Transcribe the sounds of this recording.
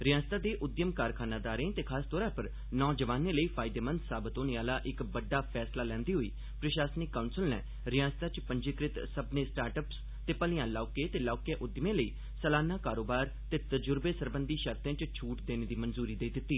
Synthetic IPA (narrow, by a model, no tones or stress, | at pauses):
ɾɪjãːst̪aːd̪eːʔʊd̪jəmkaːɾkʰaːnaːd̪aːɾẽːt̪eːkʰaːst̪ɔːɾãːpəɾ | nɔːd͡ʒəʋaːnẽːləiːpʰaːɪd̪eːmə̃nd̪saːbət̪oːneaːlaːʔɪkbəɖːaːpʰɛːslaːlɛ̃ːnd̪iːɦoḭː | pɾəʃaːsnɪkːaːʊnsəlnɛ̰ː | ɾɪjãːst̪ãːt͡ʃpəɲd͡ʒɪkɾɪt̪səbnẽːsʈaːɾʈəps | t̪eːpəlijãːlaːkeːt̪eːlaːkẽːʔʊd̪jmẽːləiː | səlaːnãːkaːɾoːbaːɾ | t̪eːt̪əd͡ʒʊɾbeːsəɾbənd̪iːʃəɾt̪ẽːt͡ʃt͡ʃʰuːʈd̪eːneːd̪iːmənzuːɾiːd̪eːd̪ɪt̪ːiː